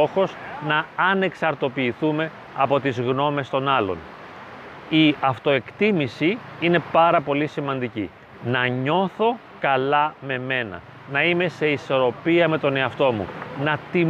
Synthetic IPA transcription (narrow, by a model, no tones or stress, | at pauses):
o̞xo̞znɐːne̞ksɐɾt̪o̞piːθume̞ | ɐpo̞t̪izɣno̞me̞st̪o̞nɐlo̞̰n | iɐft̪o̞e̞kt̪imisiine̞pɐɾɐpo̞lisimɐnd̪icḭ | nɐɲo̞θo̞ | kɐlɐme̞me̞nɐ̰ | nɐime̞se̞iso̞ɾo̞piɐme̞t̪o̞ne̞ɐft̪o̞mṵnɐt̪i